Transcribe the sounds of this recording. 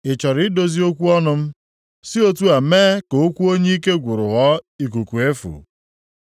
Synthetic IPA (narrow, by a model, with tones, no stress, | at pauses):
ɪ˨t͡ʃɔ˨ɾi˨˦ɪ˦do˦zi˦o˦kʷu˦ɔ˦nʊ˦m̩˦ | si˦o˦tu˦a˨meː˦ko˨o˦kʷu˦o˦ɲe˦i˦ke˦ɡʷu˨ɾʊ˨ɣɔ˦i˨k̬u˨ku˨e˦fṵ˨